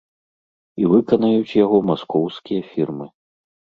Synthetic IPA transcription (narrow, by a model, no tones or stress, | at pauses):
ivɨkɐnɐjut͡sʲjaɣɔmaskɔwskʲijɐfʲirmɨ